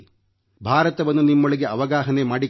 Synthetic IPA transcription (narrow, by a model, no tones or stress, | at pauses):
bʱaːɾɐt̪ɐʋɐnːunimːoɭiɡe̞ʔɐʋɐɡaːɦɐne̞maːɽi